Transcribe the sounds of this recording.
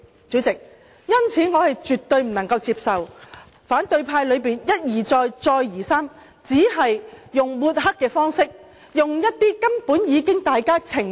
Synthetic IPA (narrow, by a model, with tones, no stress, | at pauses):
t͡syː˨˥t͡sɪ˨k̚ | jɐ˥nt͡sʰiː˨˥ŋɔː˨˧hɐ˨jt͡ʃyː˨t̪ɵ˧ɥm̩˨˩nɐ˨˩ŋkɐ˧wt͡siː˧psɐ˨w | faː˨˥nt̪ɵ˧ɥpʰaː˧jlɵ˨˧ɥpiː˨njɐ˥t̚jiː˨˩t͡sɔː˧jt͡sɔː˧jːiː˨˩saː˥m | t͡siː˨˥ɦɐ˨jjʊ˨ŋwuː˧t̚hɐ˥kːɛː˧fɔː˥ŋsɪ˥k̚ | jʊ˨ŋjɐ˥t̚t̪iː˥kɐ˥mpuː˨˥njiː˨˧kɪ˥ŋt̪aː˨jkaː˥t͡sʰɪ˨˩ŋ